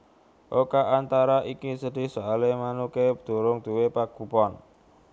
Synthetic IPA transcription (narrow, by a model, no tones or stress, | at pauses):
ʔokaʔant̪aɾaʔikisəɖ̪̥i̤hsoalemanuked̪̥ṳɾʊŋd̪̥ṳwepaɡ̥ṳpɔn